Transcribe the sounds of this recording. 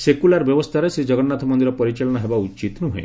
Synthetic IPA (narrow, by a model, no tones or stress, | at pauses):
sekulaɾbjɔbɔst̪ʰaɾesed͡ʒɔɡɔɽnat̪ʰɔmɔnd̪iɾɔpɔɾit͡ʃalɔɽ̃ɔɦebaut͡ʃit̪nuɦḛ̃